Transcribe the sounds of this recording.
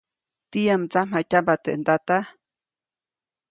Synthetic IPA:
t̪ijamt͡samatʲambat̪ḛʔnd̪at̪a

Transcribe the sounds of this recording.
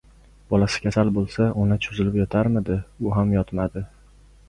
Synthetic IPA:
b̥ɒlasɪ̥kʲʰasalbolˠsaʔʊnat͡ʃʰʊzɪlɪpjɒt̪ʰaɾmɪd̪ɪʊɦamjɒt̪mad̪ɪ

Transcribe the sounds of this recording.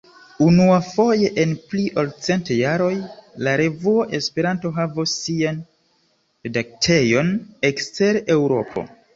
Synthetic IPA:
unuafo̞je̞ʔenpliʔolt͡se̞ntjaɾo̞jlaɾe̞vuoʔe̞spe̞ɾanto̞ɦavosːian | pedak̚tʰe̞jo̞nekste̞ɾe̞wɾo̞̰pʰo̞̰

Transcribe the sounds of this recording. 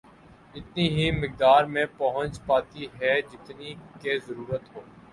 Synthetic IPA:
ɪt̪niɦimɪk̚d̪aːɾmẽpɐɦə̃nt͡ʃpaːt̪iɦɛd͡ʒɪt̪nikezəɾuːɾət̪ɦoː

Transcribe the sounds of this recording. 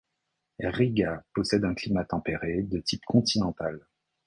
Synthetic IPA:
ʁiɡapɔsɛd̪ɛ̃klimat̪ɑ̃peʁed̪ət̪ipkɔ̃t̪inɑ̃t̪al

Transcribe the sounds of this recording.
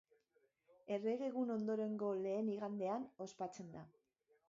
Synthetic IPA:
e̞re̞ɣe̞ɣuno̞nd̪o̞ɾe̞ŋɡo̞le̞ːniɣ̞and̪e̞ano̞spat͡se̞nd̪a

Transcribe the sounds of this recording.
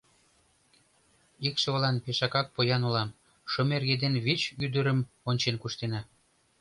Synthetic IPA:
ikʃɤ̆βlɑnpeʃɑkɑk̚pojɑnulɑm | ʃomerɣed̪enβit͡ɕyd̪ə̆ɾə̆m | onʲt͡ɕenkuʃt̪enɑ

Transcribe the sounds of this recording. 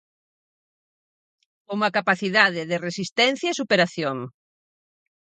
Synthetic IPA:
umakapaθiðaðeðeresist̪ɛn̟θjaesupeɾaθjoŋ

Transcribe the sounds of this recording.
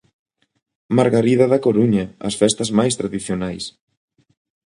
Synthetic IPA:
maɾɣaɾiðɐðakoɾuɲɐɐ̰sfɛst̪ɐzmajst̪ɾaðiθjonajs

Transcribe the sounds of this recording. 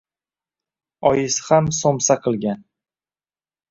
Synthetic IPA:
ɒjɪshamsomsaqʰɨlˠɡʲan

